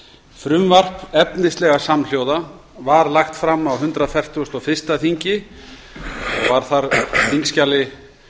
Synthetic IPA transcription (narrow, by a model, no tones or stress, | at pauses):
fɾʏmvar̥pɛpnɪst̪lɛɣasaml̥jowða | vaɾlaxt̪fɾamːawɦʏnt̪ɾafɛr̥t̪ust̪ɔfɪr̥st̪aθiɲcɪ | ɔɣvaɾ̥θaɾθiŋkscalɪ